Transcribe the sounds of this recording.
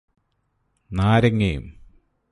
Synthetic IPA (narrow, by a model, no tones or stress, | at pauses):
naːɾɐŋːɐjṵm